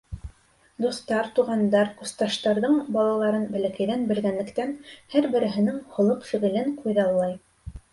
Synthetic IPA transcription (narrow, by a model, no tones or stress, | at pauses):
d̪uθt̪ɑɾt̪uʁɑnd̪ɑɾkust̪ɑʃt̪ɑɾðɤɴbɑlˠɑlˠɑɾɤnbæ̆lækæjðænbɘ̆lɡænlɘ̆kt̪ænhæɾbɘ̆ɾɘ̆ɦɘ̆nɘŋhŏlˠoqfiʁĭlɘŋqʰujðɑlˠːɑj